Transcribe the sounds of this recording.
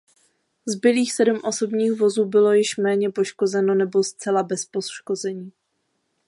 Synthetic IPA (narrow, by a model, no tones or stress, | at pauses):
zbɪliːxsɛdumʔo̞so̞bɲiːɣvo̞zuːbɪlo̞jɪʃmɛːɲɛpo̞ʃko̞zɛno̞nɛbo̞st͡sɛlabɛspoʃko̞zɛɲiː